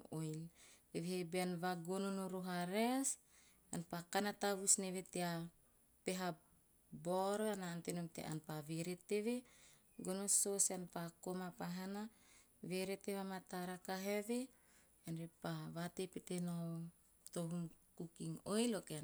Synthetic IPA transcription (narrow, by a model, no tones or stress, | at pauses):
ojleβehebeanβaɡononoɾoɦaɾes | anpakanataβusneβetea | peɦa | boɾoanaːntenomtḛʔa̰npaβeɾet̪eβe | ɡonososanpakomapaɦana | βeɾeteβamataɾakaɦeβe | anɾepaβatepetenoo | t̪oɦumkukiŋojlokea